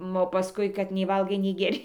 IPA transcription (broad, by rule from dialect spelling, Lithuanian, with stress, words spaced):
ˈoː pɐˈskʊɪ kɐt nʲɛɪ ˈʋɐlˠɡɐɪ nʲɛɪ ɡʲɛˈrʲɪ